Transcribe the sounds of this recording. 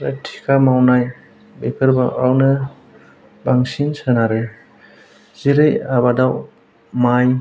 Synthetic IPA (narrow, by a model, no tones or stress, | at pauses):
ɾatʰi̥kʰamawnaj | bekʰɯɾbaʔawnɯ | baŋsinsɯnaɾɯ | ziɾɯjaβadaw | maj